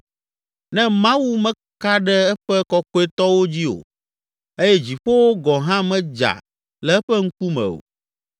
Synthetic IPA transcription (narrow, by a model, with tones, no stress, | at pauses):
nɛ̃˦mã˦wu˦mɛ̃˦ | ka˦ɖɛ˦ɛ˦ɸɛ˦kɔ˦kɔ˦e˦t̪ɔ˦wo˦d͡ʑi˦o̰˨ | e˦jɛ˦d͡ʑi˨ɸo˦wo˦ɡɔ˨ɦã˦mɛ̃˦d͡ʒa̰˨ | lɛ˨ɛ˦ɸɛ˦ŋ̩˦ku˦mɛ̰̃˨o̰˨